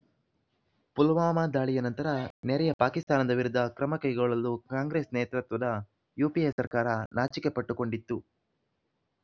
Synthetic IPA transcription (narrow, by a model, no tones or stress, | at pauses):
pulʋaːmaːd̪aːɭijɐnɐnt̪ɐɾɐnɛɾɛjɐpaːkist̪aːnɐd̪ɐʋiɾud̪ʱːɐkɾɐmɐkɐjɡɐɭɐlːukaːŋɡɾeːsneːt̪ɾɐt̪ʋɐd̪ɐ | juːpiesɐɾkaːɾɐnaːt͡ʃikepɐʈːuko̞ɳɖit̪ːu